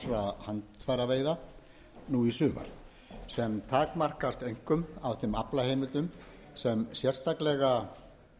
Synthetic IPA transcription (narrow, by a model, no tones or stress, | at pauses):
ɾahant̪faːɾaveːjða | nuisʏːva̰ɾ̥ | sɛmt̪ʰaːkmar̥kast̪ejŋ̥kʏmawvθɪmaplahejmɪlt̪ʏm | sɛmsjɛr̥st̪aklɛɣa